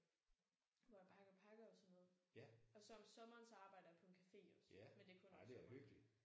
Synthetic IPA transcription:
ʋɒpʰɑɡ̥pʰɑ̈ɡ̥ɐɒsɒmoð̩ˠɒ̽sɒ̽msɒ̽mɐːnsɑ̈ːb̥ɑ̈ɪ̰d̥əæɐpʰɒ̽e̝nkʰæfe̝̰ːɒ̰smend̥e̝kʰɔ̽nɒeæløɡ̥li̥

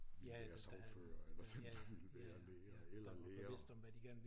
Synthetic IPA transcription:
æɐsɑʊfø̰ːɐelɐd̥end̥ɑʋilʋæːɐleːɐelɐleːɐʋe̝sd̥ɒ̽mʋæd̥iɡ̥æɐ̰nəʋ

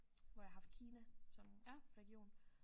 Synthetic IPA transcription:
ʋɒjɑ̈ɦɑ̈fd̥̚kʰiːnæsɒ̽mjæʁɛɡ̥ijo̝̰ːn

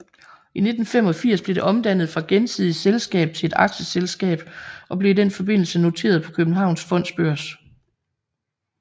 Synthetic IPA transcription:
ine̝d̥n̩fem̰ɒ̽fiɐ̰sb̥le̝d̥e̝ʔɒ̽md̥æn̰ð̩ˠfʁɑ̈ɡ̥ensiðˠiselsɡ̥ɛ̰ːb̥̚t͡sʰe̝e̝d̥ɑ̈ɡ̥ɕəselsɡ̥ɛ̰ːb̥ʔɒ̽b̥le̝d̥en̰fɒ̽b̥e̝n̰l̩səno̝t͡sʰe̝̰ːɐð̞ˠpʰɒ̽kʰøb̥n̩ɦɑ̈ʊ̰nsfɒ̽n̰sb̥øɐ̰s

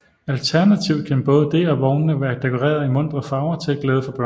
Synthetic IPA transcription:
ælt͡sʰæɐnæt͡sʰiʊkʰænb̥ɔ̽ːð̞ˠəd̥e̝ɒʋɒʊnːəʋæːɐd̥ekʰo̝ʁḛːɐðˠimɔ̽n̰d̥ʁɐðˠfɑ̈ʊɐt͡sʰe̥ɡ̥leːð̞ˠəfɒ̽b̥ɶ̰

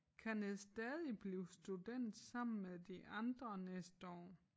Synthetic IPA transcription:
kʰænesd̥ɛːðˠib̥liːʊsd̥ud̥en̰d̥sɑ̈m̰n̩meðˠd̥iʔɑ̈nd̥ʁɐnesd̥əɒ̰ː

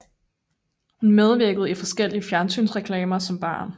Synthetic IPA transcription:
hunmeð̞ˠʋiɐ̰ɡ̥əð̞̩ˠifɒ̽sɡ̥el̰iəfjæɐnsy̰ːnsʁɛkʰlɛːmɐsɒ̽mb̥ɑ̰̈ːn

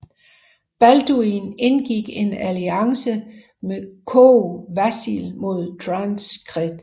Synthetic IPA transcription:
b̥æld̥uine̝nɡ̥iɡ̥e̝næliɑ̈ŋsə | mekʰoʋæsḭlmo̝ð̞̰ˠt͡sʰʁɑnsɡ̥ʁid̥

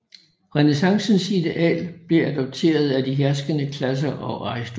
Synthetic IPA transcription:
ʁɛnesɑ̈ŋsn̩sid̥eʔɛ̰ːlb̥leæd̥ɒ̽b̥̚t͡sʰe̝̰ːɐð̞ˠæd̥iɦæɐsɡ̥ənəkʰlæs̬ɐʔɒ̽ʔɑisd̥

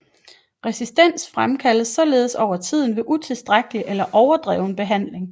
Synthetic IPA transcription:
ʁɛsisd̥en̰sfʁamkʰæləsːɒ̽le̝ːð̩ˠsɒʊɐt͡sʰið̰ˠn̩ʋe̝ʔut͡sʰe̝lsd̥ʁaɡ̥əliʔelɐʔɒʊɐd̥ʁɛ̰ːʊn̩b̥e̝ɦæn̰le̝ŋ

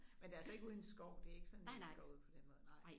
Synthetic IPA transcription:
mend̥æɐsɒ̽e̝ɡ̥uːð̞̩ˠesɡ̥ɒʊ̰d̥e̝æɐe̝ɡ̥əsɒne̥ɒuð̞̩̰ˠpʰɒ̽d̥enmɔ̽ːðˠnɑ̈ɪ̰

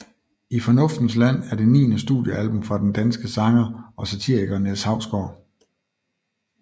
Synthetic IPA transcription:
ifɒ̽nɔ̽fd̥n̩slæn̰æɐd̥e̝nḭːnəsd̥ṵdˠjəʔælb̥ɔ̽mfʁɑ̈d̥end̥ænsɡ̥əsɑ̈ŋɐʔɒ̽sæt͡sʰḭːɐ̰iɡ̥ɐneshɑ̈ʊ̰sɡ̥ɒː

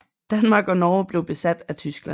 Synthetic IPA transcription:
d̥ænmɑ̈ːɡ̥ɒnɒːb̥le̝ʊb̥e̝sæd̥æt͡sʰysɡ̥læ

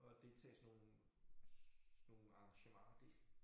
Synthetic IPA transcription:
ɒd̥e̝lt͡sʰɛ̰ːsno̝ːn̩ | no̝ːn̩ɑ̈ɑŋɕəmɑ̰̈ːɐd̥e̝̥

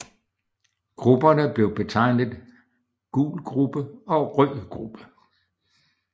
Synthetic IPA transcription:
ɡ̥ʁub̥ɐnəb̥le̝ʊb̥e̝t͡sʰɑ̈ɪ̰nəð̩ˠ | ɡ̥ṵːlɡ̥ʁub̥əɒ̽ʁœ̰ːɡ̥ʁub̥ə

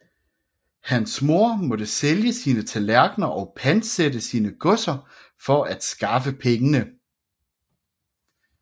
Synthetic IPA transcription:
hænsmo̝ɐ̰mɒ̽dəseljəsiːnət͡sʰælæɐɡ̥nɐʔɒ̽ʊpʰæn̥sedəsiːnəɡ̥ɔ̽sɐ | fɒ̽ʔæd̥sɡ̥ɑ̈fəpʰeŋənə

